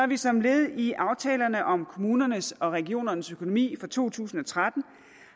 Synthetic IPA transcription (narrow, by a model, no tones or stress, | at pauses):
æʋisɒ̽mle̝ð̩ˠiʔɑ̈ʊt͡sʰɛːlɐnəʔɒ̽mkʰo̝muːnɐnəsɒ̽ʁɛɡ̥io̝̰ːnɐnəsøkʰo̝nomḭːfɒt͡sʰo̝̰ːt͡sʰṵːsn̩ɒ̽t͡sʰʁad̥n̩